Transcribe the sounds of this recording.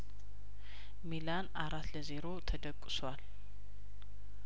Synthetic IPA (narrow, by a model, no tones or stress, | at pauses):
milanʔaɾat̪ləze̞ɾo̞t̪ʰəd̪əkʼːɨswal